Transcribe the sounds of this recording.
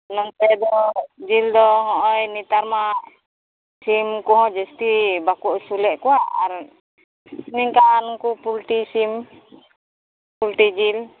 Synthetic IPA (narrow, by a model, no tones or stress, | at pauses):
nɔnt̪ɛdɔd͡ʒildɔɦɔ̃ʔɔjnit̪aɾmaʔ | simkuɦɔ̃d͡ʒəst̪ibakuʔsulɛʔkuaʔaɾ | niŋkaːnŋkupult̪isim | pult̪id͡ʒil